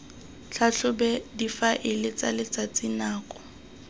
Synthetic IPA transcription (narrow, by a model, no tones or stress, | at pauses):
t͡ɬʰaɬʊbɛdifaʔɪlɪt͡salɪt͡sat͡sʼinaːkʼɔ̥